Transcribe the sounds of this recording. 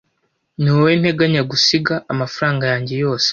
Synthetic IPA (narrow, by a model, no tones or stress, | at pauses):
niwen̥he̞ɡaɲaɡusiɡaːmafuɾaːŋɡajaːɲɟe̞jo̞ːse̥